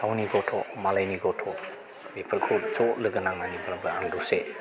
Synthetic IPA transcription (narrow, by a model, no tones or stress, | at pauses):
tʰawniɡɔtʰɔmalajniɡɔtʰɔ | bepʰəɾkʰup̚t͡ʃɔlɯɡɯnaŋnanibʰalabɯanduse